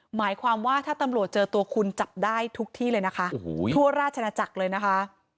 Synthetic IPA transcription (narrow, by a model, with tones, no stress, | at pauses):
maː˩˦jkʰwaː˧mwaː˥˩t̪ʰaː˥˩t̪a˧mɾu˨˩ət̪̚t͡ɕɤː˧t̪u˧ɐkʰu˧nt͡ɕa˨˩p̚daː˥˩jt̪ʰu˦˥k̚t̪ʰiː˥˩lɤː˧jna˦˥kʰa˦˥ʔoː˨˦u˥˩ɐɾaː˥˩t̪̚t͡ɕʰa˧aː˧t͡ɕa˨˩k̚lɤː˧jna˦˥kʰa˦˥